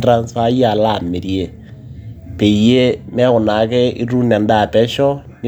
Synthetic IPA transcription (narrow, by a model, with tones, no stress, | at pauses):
tra˦nsa˦ja˨la˦˨me˨ɾje˨ | pe˨i˨je˦mɛ˦ɣʊ˨na˨˦kɛ˦i˦ɾu˦nɛ˨nda˦˨pɛ˦ʃɔ˦ni˦